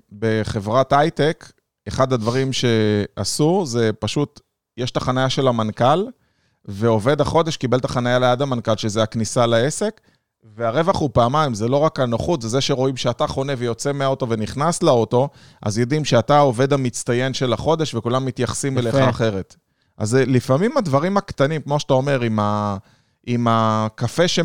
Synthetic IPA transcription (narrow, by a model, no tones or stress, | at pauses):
be̞χe̞vʁatajt̪ek | eχad̪had̪vaʁimʃe̞asuze̞paʃut̪ | jeʃt̪aχanajaʃe̞lamankal | ve̞o̞ve̞d̪aχo̞d̪e̞ʃkibe̞lt̪aχanajalejad̪amankalʃezeaknisalae̞se̞k | veaʁevaχhupaːmajmzelo̞ʁakanaχut̪zezeʃe̞ʁo̞imʃeat̪aχo̞ne̞vejo̞t͡se̞meaoto̞veniχnaslaot̪o̞ | ʔa̰zjod̪imʃeat̪ao̞ve̞d̪amit͡st̪aje̞nʃe̞laχo̞d̪e̞ʃvekulamːit̪jaχsimeleχaχe̞ʁe̞t̪ | ʔa̰zelifamimad̪vaʁimakt̪animkmo̞ʃat̪ao̞me̞ʁima | ʔimakafe̞ʃe